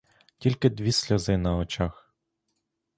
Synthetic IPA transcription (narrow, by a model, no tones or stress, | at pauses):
tʲilʲkɪd̪ʋʲisʲlʲɔzɪnɐɔt͡ʃax